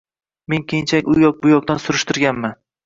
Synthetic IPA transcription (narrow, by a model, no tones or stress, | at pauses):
me̞ŋkʲʰejnt͡ʃʰakʲʊjɒk̚bʊjɒk̚t̪ansʊɾɪʃt̪ɪɾɡʲanman